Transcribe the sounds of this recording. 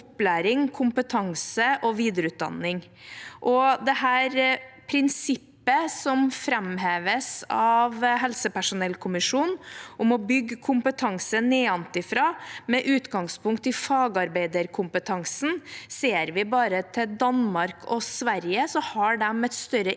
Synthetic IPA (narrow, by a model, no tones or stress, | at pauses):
plæːɾɪŋkʰʊmpət̪ʰɑŋsəʔɔʋiːd̪əɾəʉːt̪̚d̪ɑ̰nːɪŋ | ʔɔd̪ɛhæːɾpʰɾɪnsɪpːəsɔmfɾɛmɦeːʋəsɑʋɦɛlsəpæʂʊnɛlkʰʊmɪʂuːnɔmɔbʏɡːkʰʊmpət̪ʰɑŋsəneːɑnt̪ɪfɾɑːmɛʔʉːt̪ɡɑŋspʰʊŋk̚t̪ɪfɑːɡɑɾbeɪd̪əɾkʰʊmpət̪ʰɑŋsn̩seːɾʋɪbɑːɾət̪ʰɪld̪ɑnmɑɾkʰɔsʋæɾjəsɔhɑɖɛmɛt̪st̪œɾə